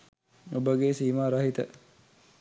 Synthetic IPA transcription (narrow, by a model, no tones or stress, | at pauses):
obəɡesiːmaɾɐɦit̪ə